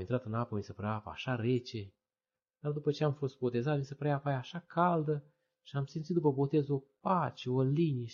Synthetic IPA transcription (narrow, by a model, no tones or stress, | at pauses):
int̪ɾat̪ɨnapəmisəpəɾaapəa̰ʃaɾe̞t͡ʃe̞ | d̪̥ard̪upət͡ʃe̞amfo̞st̪̚bo̞t̪e̞zat̪misəpəɾjapajaʃakʰald̪ə | ʃiamsint̪it̪d̪upəbo̞t̪e̞zo̞pat͡ʃeolinije